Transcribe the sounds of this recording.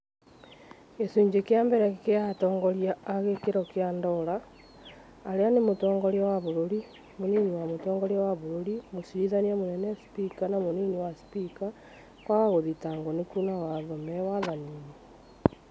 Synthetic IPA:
esuɲd͡ʒekeaːmbɛɾɛkeatɔːŋɡɔɾjaːɣekeɾɔkeandɔɾaː | ɾeanemotɔːŋɡɔɾawaβoɾoɾi | moniniwamotɔːŋɡɔɾeawaβoɾoɾimosiɾiðaniamonɛnɛspikanamoniniwaspika | kwaɣaɣoðitaŋɡonekunawaðɔmɛwaðanini

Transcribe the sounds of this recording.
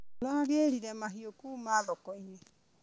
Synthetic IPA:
laaɣeɾiɾɛmaɦiokuːmaðɔkɔinɛ

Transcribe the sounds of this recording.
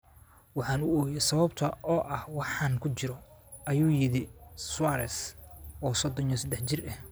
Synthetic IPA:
wɑħɑːnʊɔːjɛsɐβɐbt̪ʰɐʔɔːʔɐhwɑħɑːnkʰʊt͡ʃɪɾɔ | ʔɐjuːjɪðɪswɑɾɛ̰sɔːsɔd̪ɔnjɔsɐd̪ɛħt͡ʃɪrɛh

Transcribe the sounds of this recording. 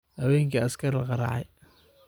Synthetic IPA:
hɐwɛːŋkʰɐɐskʰɐrlɑqɑɾɑ̰ʕɑ̰j

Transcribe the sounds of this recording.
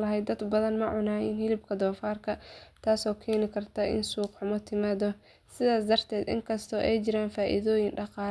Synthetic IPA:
lɐɦɛjd̪ːɐd̪bɐðɐnmɐʕʊnaːjɪnhɪlɪb̚kʰɐd̪ɔːfaːrkʰɐt̪ʰaːsɔːkʰɛːnɪkʰɐrt̪ʰɐʔɪ̰nsuːqħʊmɔt̪ʰɪmaːðɔ | sɪðaːsd̪ɐrt̪ʰɛːd̪ɪ̰ŋkʰɐst̪ʰɔʔɛjt͡ʃɪɾaːnfaːʔɪ̰ðɔːjɪŋɖɑqɑː

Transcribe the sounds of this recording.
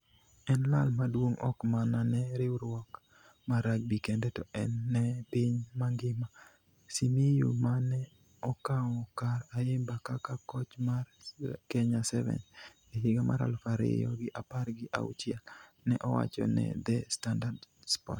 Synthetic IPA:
ɛnlalmadwoŋɔ̰kmananɛɾɪwɾwɔk | maɾaɡ̚bikɛndɛtɔʔɛnːɛpɪɲmaŋɡɪma | simijumanɛ | ɔkaŋɔkaɾaɪmbakakakɔt͡ʃmarkɛɲasɛvɛ̰n | ɪɦɪɡamʔa̰ɾa̰lfaɾɪ̰jɔ̰ɡɪʔaparɡɪʔa̰ṵt͡ʃɪɛl | nɛʔɔwa̰t͡ʃɔ̰nɛ̰d̪ɛstandardspɔ̰t

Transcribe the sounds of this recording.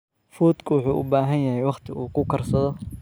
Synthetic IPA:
fuːd̪kʰʊwʊħuːʔʊ̰baːɦɐnjɐɦɛjwɑχt̪ʰɪuːkʰʊkʰɐrsɐðɔ

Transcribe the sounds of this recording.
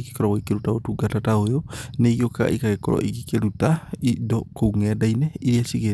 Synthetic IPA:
ke̥kɔɾɔweikeɾutaotuɡatataojoneiɣioka̰ʔḭkaɣekɔɾɔ̰ʔiɣikeɾutaidɔkouŋɛdainɛiɾiasiɣe

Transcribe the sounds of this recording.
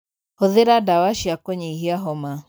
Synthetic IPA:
hɔðeɾadawaʃjakɔɲeɦiaɦɔma

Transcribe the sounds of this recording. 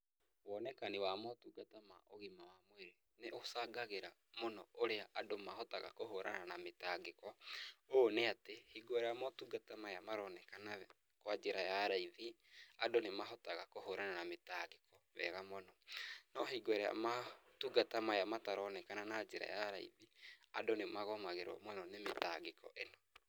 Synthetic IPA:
wɔnɛkanewaːmɔtuɡatamaʔoɣimawamoweɾe | neʔosaɡaɣeɾamonɔoɾeaʔadomaɦɔtaɣa̰koɦoɾa̰nanametaɡekɔoneatehiɡoɾɛamɔtuɡatamaamaɾɔnɛkanaɛ | kwad͡ʒeɾajaɾaiði | adonemaɦɔtaɣakohoɾananametaɣekɔβɛ̰ːɣamɔnɔnɔɦiɡoɾɛa̰matuɡatamajamataɾɔnɛkananad͡ʒeɾa̰jaɾaḭðiadonemaɣɔmaɣeɾwɔ̰mɔnɔnemetaɡekɔ̰ʔenɔ

